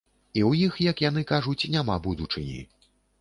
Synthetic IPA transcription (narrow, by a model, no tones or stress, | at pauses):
iwjixjɐkjanɨkaʐut͡sʲnʲamabud̪ut͡ʂɨnʲḭ